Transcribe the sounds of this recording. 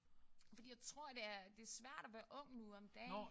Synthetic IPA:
fɒ̽d̥ḭːjaɪt͡sʰʁo̝ɐ̰d̥e̝æɐd̥e̝æɐsʋæɐ̰ɾ̥ɒʋæːɐʔɔ̽ŋ̰nuɒ̽md̥ɛ̰ː

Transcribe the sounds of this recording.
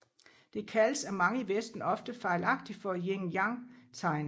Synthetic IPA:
d̥e̝kʰæləsæmɑ̈ŋəiʋesd̥n̩ɒ̽fd̥əfɑ̈ɪlɑ̈ɡ̥̚d̥ifɒ̽jeŋjɑ̈ŋt͡sʰɑ̈ɪn

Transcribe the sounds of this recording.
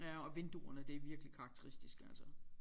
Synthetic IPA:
æɒ̽ʋe̝nd̥uɐnəd̥e̝ʋiɐɡ̥əlikʰɑ̈ɡ̥̚t͡sʰeʁisd̥isɡ̥ælsɐ

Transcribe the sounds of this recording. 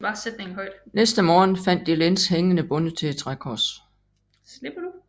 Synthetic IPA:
b̥ɑ̈ːsed̥neŋn̩ɦɒ̽ɪd̥nesd̥əmɒːn̩fæn̰d̥ilensheŋənəb̥ɔ̽nət͡sʰe̝le̥t͡sʰʁakʰɒːs | sleb̥ɐd̥u

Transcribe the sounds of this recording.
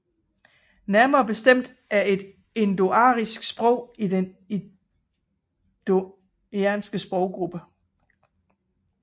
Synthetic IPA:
næɐmɐːb̥e̝sd̥em̰d̥ | æɐe̝d̥ | e̝nd̥o̝ɑ̈ʁisɡ̥sb̥ʁɔʊ̰id̥en | e | d̥o | ænsɡ̥əsb̥ʁɒʊ̰ɡ̥ʁub̥ə

